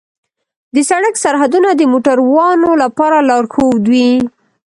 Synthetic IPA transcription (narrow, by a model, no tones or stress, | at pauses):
d̪əsaɽəksaɾɦad̪unad̪əmoʈaɾwɑnolapɑɾalɑɾxowd̪wi